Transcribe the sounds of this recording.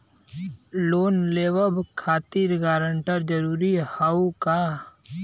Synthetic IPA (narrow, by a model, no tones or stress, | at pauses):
loːnleːʋəbkʰaːt̪iːɾɡaːɾəɳʈəɾd͡ʒəɾuːɾihawkaː